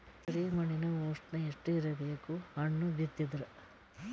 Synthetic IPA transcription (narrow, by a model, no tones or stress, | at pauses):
t̪ɐɾimɐɳinɐoːʂʈnɐeʂʈuiɾɐbeːkuhɐɳːubit̪ːid̪ɐɾɐ